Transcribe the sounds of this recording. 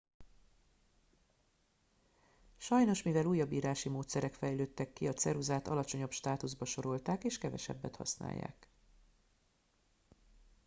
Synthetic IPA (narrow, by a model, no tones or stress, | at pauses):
ʃɒjno̞ʃmivɛluːjːɒbiːɾaːʃimoːt̪sɛɾɛkfɛjløːt̪ːɛkːiɒt̪sɛɾuzaːt̪ɒ̰lɒt͡ʃo̞ɲopʃt̪aːt̪uzbɒʃo̞ɾo̞lt̪aːkeːʃkɛvɛ̰ʃɛ̰bːɛt̪hɒ̰sna̰ːjːa̰ːk